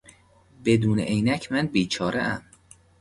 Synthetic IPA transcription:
be̞d̪uːnḛʔejnæcʰmænbiːt͡ʃʰɒːɾḛʔæm

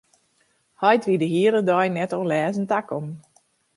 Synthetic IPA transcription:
hɔjtʋidəɦiələdɔjnɛtɔnlɛːzən̩takɔm

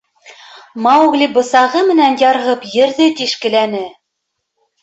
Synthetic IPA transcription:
mɑwɣlibɤ̆sɑʁɤmɘ̆nænjɑɾʁɤpjɘ̆ɾðɘt̪iʃkɘ̆lænɘ

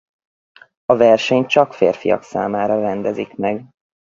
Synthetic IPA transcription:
ɒvɛrʃɛɲt͡ʃɒkfeːrfijɒ̰ksa̰ːmaːɾɒrɛnd̪ɛzikmɛɡ

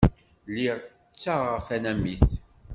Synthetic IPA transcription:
liʁ | t͡sːaʁəfænæmiθ

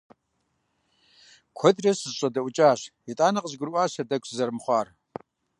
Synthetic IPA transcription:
kʷʰɔdrɐsɨzɕʼɐdɐʔʷʊt͡ʃʼaːɕitʼaːnɐqəʑɡɨrwʷaːɕɐdɐkʷszɐrmχʷɑːr

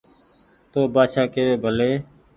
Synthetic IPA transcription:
t̪oːbaːʃaːkeːʋeːbʱəleː

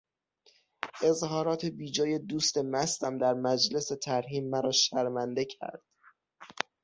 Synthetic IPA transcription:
ʔe̞zhɒːɾɒːt̪ʰe̞biːd͡ʒɒːje̞d̪uːst̪e̞mæst̪æmd̪æɾmæd͡ʒle̞set̪ʰæɾɦiːmːæɾɒːʃæɾmænd̪e̞cʰæ̰ɾd̪̥̚

